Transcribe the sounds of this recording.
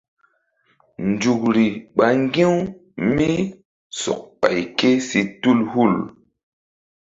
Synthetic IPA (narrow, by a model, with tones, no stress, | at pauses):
nd͡ʒu˨k̚ɾi˨ɓa˨ŋ˦ɡi˦w | mi˦ | sɔ̰˨k̚pa˨jke˦si˨tu˦lhu˦˨l